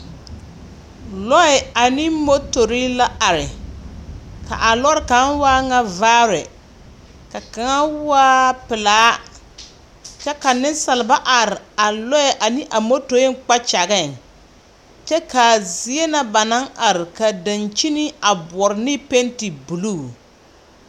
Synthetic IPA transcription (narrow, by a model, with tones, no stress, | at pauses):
lɔ˦ɛ˨a˨nɪ˦mo˦to˨ɾi˦la˦a˨ɾɪ˨ | ka̰˨ʔa˨lɔ˦ɾɪ˨ka˨˦n˦waː˦ŋa˦vaː˦ɾɛ˨ | ka˨ka˨ŋa˦waː˦pɪ˨laː˨˦ | t͡ʃɛ˦ka˨nɪ˦n˦sa˨lɪ˨ba˦ʔa˨ɾɪ˨a˨lɔ˦ɛ˨ʔa˨nɪ˦ʔa˨mo˦to˨ɪ˦ŋ˦k͡pa˦t͡ʃa˨ɣɛ˦˨ŋ | t͡ʃɛ˦ka˨zi˨˦e˦na˦ba˨na˦ŋʔa˨ɾɪ˨ka˨da˨nt͡ʃi˦ni˦a˨bɔ˨ɾɪ˨nɪ˦pe˦nti˨bu˨luː˦˨